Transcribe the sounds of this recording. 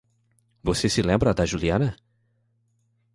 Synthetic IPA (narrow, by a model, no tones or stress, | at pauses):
vosesɪlẽmbɾɐd̪ɐʒuliɐ̃nɐ